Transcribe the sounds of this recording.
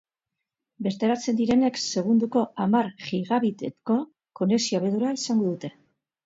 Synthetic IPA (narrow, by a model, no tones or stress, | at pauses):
be̞ɾt̪eɾat͡se̞nd̪iɾe̞ne̞kse̞ɣ̞und̪uko̞amaɾʝiɣaβit̪eko̞ | ko̞ne̞sioβeðuɾaisaŋɡo̞ðut̪e̞